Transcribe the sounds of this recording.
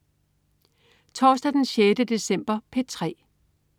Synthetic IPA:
t͡sʰɒːsd̥æd̥enɕjed̥əd̥e̝sem̰b̥ɐpʰe̝̥t͡sʰʁɛ̰ː

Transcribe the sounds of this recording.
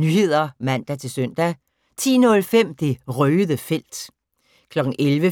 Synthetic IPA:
nyhe̝ð̞̰ˠɐmæn̰d̥æt͡sʰe̝lsøn̰d̥æ | t͡sʰḭːnɔ̽lfem̰d̥e̝ʁœːðˠəfel̰d̥ | kʰlɒ̽ɡ̥ŋ̩ʔelʋə

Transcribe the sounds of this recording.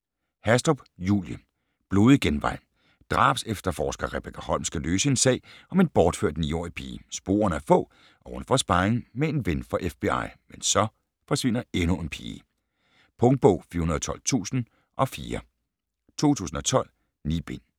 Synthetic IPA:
hæsd̥ob̥jṵːljə | b̥lo̝ːðˠɡ̥enʋɑ̈ɪ̰n | d̥ʁɑ̰̈ːb̥sefd̥ɐfɒːsɡ̥ɐʁeb̥ekʰæhɒ̽l̰msɡ̥æløːsəe̝nsɛ̰ːɪɒ̽me̝nb̥ɒːd̥fø̰ɐ̰d̥nḭːɒ̰ɐipʰḭːsb̥o̝̰ːɐnæɐfɔ̰̽ː | ʔɒ̽hunfɒ̽sb̥ɑ̈ɪeŋ̩mee̝nʋenfʁɒʔefb̥e̝ɑ̈ɪ̰mensɒ̽ | fɒ̽sʋe̝n̰ɐenue̝npʰḭː | pʰɔ̽ŋd̥̚b̥ɔ̽ʊ̰fḭːɐunɐðˠɒt͡sʰɒ̽l̰t͡sʰṵːsn̩ | ʔɒ̽fiːɐ | t͡sʰo̝̰ːt͡sʰṵːsn̩ɒ̽t͡sʰɒ̽l̰ | nḭːb̥e̝n̰

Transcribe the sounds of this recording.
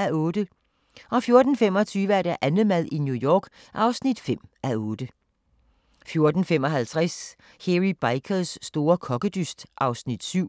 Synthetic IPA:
æɔ̽ːd̥ə | ʔɒ̽fjo̝ɐd̥n̩fem̰ɒ̽t͡sʰyːʋəæɐɾ̥æʔænð̩ˠmæðˠinjujɒːɡ̥ | ʔɑ̈ʊsnid̥fem̰æɔːd̥ə | fjo̝ɐd̥n̩fem̰ɒ̽ɦælt͡sʰʁɛs | heʁib̥ɑ̈ɪkʰəl̩ˠsːd̥o̝ːɐkʰɒ̽ɡ̥əd̥ysd̥ʔɑ̈ʊsnid̥syʊ̰

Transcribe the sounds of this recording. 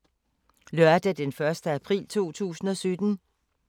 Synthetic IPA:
lœɐd̥æd̥enfɶɐsd̥əæpʰʁḭːlt͡sʰo̝̰ːt͡sʰṵːsn̩ɒ̽sød̥n̩

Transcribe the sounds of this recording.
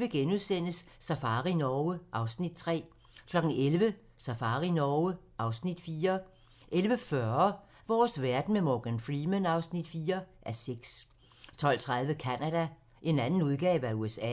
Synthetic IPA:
ʋe̝ɡ̥enuðˠsen̰əsːæfɑ̈ːʁinɒːəʔɑ̈ʊsnid̥̚t͡sʰʁɛ̰ː | kʰlɒ̽ɡ̥n̩elʋə | sæfɑ̈ːʁinɒəʔɑ̈ʊsnid̥fiːɐ | ʔelʋəfɶɐ | ʋɒːsʋæɐd̥n̩memɒɡ̥ænfʁimenɑ̈ʊsnid̥fiːɐʔæɐseɡ̥s | t͡sʰɒ̽l̰t͡sʰʁɑ̈ðˠʋəkʰænæd̥æ | ʔe̝nænn̩uðˠɡ̥ɛ̰ːʋəæuesɛ̰

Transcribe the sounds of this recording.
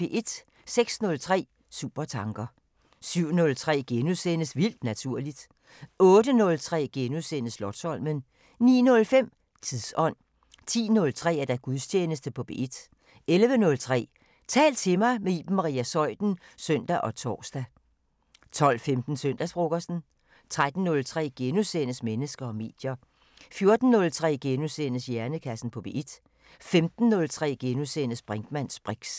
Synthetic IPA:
b̥e̝ʔe̝d̥ | seɡ̥snɔ̽lt͡sʰʁɛ̰ː | sṵːb̥ɐt͡sʰɑ̈ŋɡ̥ɐ | syʊ̰nɔ̽lt͡sʰʁɛ̰ːɡ̥enusenəsʋil̰d̥næt͡sʰuɐ̰lid̥ | ɔ̽ːd̥ənɔ̽lt͡sʰʁɛ̰ːɡ̥enusenəslɒd̥sɒ̽l̰mən | nḭːnɔ̽lfem̰ | t͡sʰiðˠsɒ̽n̰ | t͡sʰḭːnɔ̽lt͡sʰʁɛ̰ːæɐd̥æɡ̥uðˠst͡ɕʰeːnəsd̥əpʰɒ̽b̥e̝̰e̝d̥ | elʋənɔ̽lt͡sʰʁɛ̰ː | t͡sʰɛ̰ːlt͡sʰe̝mɑ̈ɪmeiːb̥m̩mːɑʁḭːæsɒ̽ɪd̥n̩søn̰d̥æʔɒ̽t͡sʰɒ̰ːsd̥æ | t͡sʰɒ̽l̰femd̥n̩søn̰d̥æsb̥ʁoɡ̥ɐsn̩ | t͡sʰʁad̥n̩ːɔ̽lt͡sʰʁɛ̰ːɡ̥enusenəsmenəsɡ̥ɐɒ̽me̝̰ːd̥jɐ | fjo̝ɐd̥n̩ːɔ̽lt͡sʰʁɛ̰ːɡ̥enusenəsjæɐnəkʰæsn̩pʰɒ̽b̥e̝ʔid̥ | femd̥n̩ːɔ̽lt͡sʰʁɛ̰ːɡ̥enuseːnəsb̥ʁaŋd̥mæn̰sb̥ʁiɡ̥s

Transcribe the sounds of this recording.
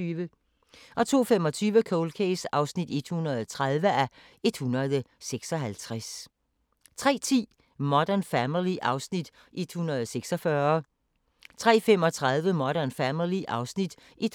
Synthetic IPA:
ʋə | ʔɒ̽t͡sʰo̝̰ːfemɒ̽t͡sʰyːʋəkʰoʊlkʰesɑ̈ʊsnid̥e̝d̥hunɐðˠt͡sʰʁaðˠʋəʔæ | e̝d̥hunɐðˠəseɡ̥sɒ̽ɦælt͡sʰʁas | t͡sʰʁɛ̰ːt͡sʰḭː | mɒd̥ænfæmiliʔɑ̈ʊsnid̥ | ʔe̝d̥hunɐð̞ˠseɡ̥sɒ̽fɶɐ | t͡sʰʁɛ̰ːfem̰ɒ̽t͡sʰʁaðˠʋəmɒɾ̥ænfæmiliʔɑ̈ʊsnid̥ | ʔed̥

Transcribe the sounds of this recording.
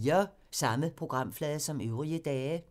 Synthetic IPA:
ɐ | sɑ̈məpʰʁo̝ɡ̥ʁɑ̈m̰flɛːðˠsɒ̽møʊʁiəd̥ɛː

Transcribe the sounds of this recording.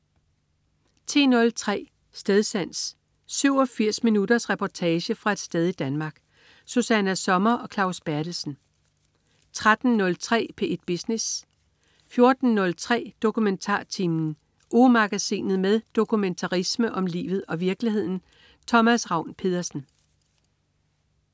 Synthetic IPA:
t͡sʰe̝̰ːnɔ̽lt͡sʰʁɛ̰ː | sd̥eð̞ˠsæn̰s | syʊ̰ɒ̽fiɐ̰sminud̥ɐsʁɛpʰɒt͡sʰɛːɕəfʁɑ̈e̝d̥sd̥eð̞ˠid̥ænmɑ̈ːɡ̥ | susænæsɒ̽mɐʔɒ̽kʰlɑ̈ʊsb̥æɐd̥l̩sn̩ | t͡sʰʁad̥n̩nɔ̽lt͡sʰʁɛ̰ːpʰe̝ʔed̥̚b̥isnes | fjo̝ɐd̥n̩nɔ̽lt͡sʰʁɛ̰ːd̥o̝kument͡sʰɑ̰̈ːt͡sʰimn̩ | ʔomɑ̈ɡ̥æsḭːnð̞̩ˠmeðˠd̥o̝kument͡sʰɑ̈ʁisməʔɒ̽mlḭːʋð̞̩ˠɒ̽ʋiɐɡ̥liɦe̝ð̞̰ˠn̩ | t͡sʰɒ̽mæsʁɑ̈ʊ̰npʰe̝ðˠɐsn̩

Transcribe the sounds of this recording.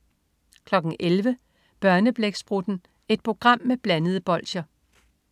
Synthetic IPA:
kʰlɒ̽ɡ̥n̩elʋə | b̥ɶɐnəb̥leɡ̥sb̥ʁud̥n̩ | e̝d̥̚pʰʁo̝ɡ̥ʁɑ̈m̰ːeb̥lænəð̞̩ˠəb̥ɒ̽l̰ɕɐ

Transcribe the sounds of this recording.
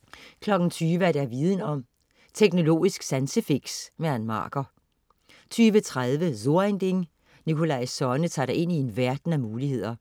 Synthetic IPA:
kʰlɒ̽ɡ̥n̩t͡sʰyːʋəæɐd̥æɐʋiːð̞ˠn̩ɒ̽m̰ | t͡sʰeɡ̥no̝lo̝̰ːisɡ̥sænsəfiɡ̥smeænmɑ̰̈ːɡ̥ɐ | t͡sʰyːʋət͡sʰʁað̞ˠʋəso̝ɐend̥eŋ | nikʰo̝lɑ̈ɪsɒnət͡sʰɑ̰̈ːd̥ɾɑʔe̝n̰ie̝nʋæɐd̥n̩æmuːlihe̝ð̞̰ˠɐ

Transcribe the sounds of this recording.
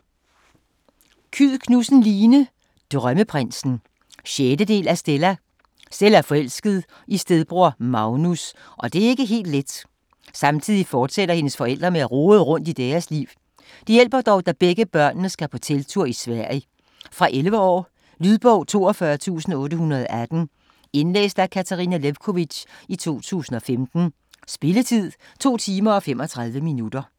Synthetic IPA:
kʰyð̰ˠkʰnusn̩liːnə | d̥ʁɶməpʰʁen̰sn̩ | ɕeːd̥əd̥e̝̰ːlæsd̥elæ | selæɐfɒ̽el̰sɡ̥əð̞̩ˠ | ʔisd̥eðˠb̥ʁoɐ̰mɑ̈ʊnus | ʔɒ̽d̥e̝æe̝ɡ̥əɦe̝̰ːld̥led̥ | sɑ̈mt͡sʰið̞̰ˠifɒːd̥seɾɐhe̝nəsfɒ̽el̰d̥ʁɐmeæʁoːð̩ˠəʁɔ̽n̰d̥id̥eːɐsliʊ | d̥ijel̰b̥ɐd̥ɒʊd̥æb̥eɡ̥əb̥ɶɐ̰nːəsɡ̥æpʰɒ̽t͡sʰelt͡sʰuɐ̰isʋæɐ̰jə | fʁɑ̈ʔelʋɐɒ̰ː | lyðˠb̥ɔʊ̰t͡sʰo̝̰ːɒ̽fɶɐt͡sʰṵːsn̩ɔ̽ːɾəhunɐð̞ˠɒʔæd̥n̩ | e̝nlḛːsd̥ækʰæt͡sʰɑʁinæleʋkʰo̝ʋi̥ɕit͡sʰo̝̰ːt͡sʰṵːsn̩ɒ̽femd̥n̩ | sb̥e̝lət͡sʰið̰ˠ | t͡sʰo̝̰ːt͡sʰiːmɐɒ̽fem̰ɒ̽t͡sʰʁɑ̈ðˠʋəminud̥ɐ

